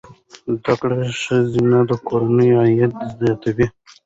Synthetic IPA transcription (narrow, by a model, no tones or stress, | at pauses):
zd̪akɽaʃəzinad̪əkoɾanəjoajat̪̚d̪əzd̪aat̪awi